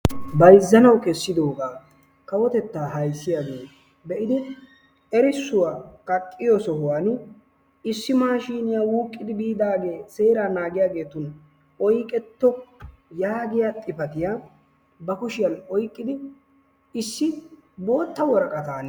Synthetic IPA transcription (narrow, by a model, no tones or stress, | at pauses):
bɐjzːɐnɐwkɛsːɪd̪o̞ːɡaː | kɐwɔt̪ɛt̪ːaːɦɐjsːɪjaːɡe̞ː | bɛʔɪd̪ɪ | ɛɾɪsːʊwaːkʼɐkʼːɪjɔsɔhʊwanʊ | ɪsːɪmaːʃiːnɪjaːwuːkʼːɪd̪ɪbiːd̪aːɡe̞ːse̞ːɾaːnaːɡɪjaːɡe̞ːt̪ʊn | ɔjkʼɛt̪ːɔjaːɡɪjaːt̪ʼɪpɐt̪ɪjaː | bɐkʊʃɪjɐnɔjkʼːɪd̪ɪ | ɪsːɪ | bo̞ːt̪ːɐwɔɾkʼɐt̪aːn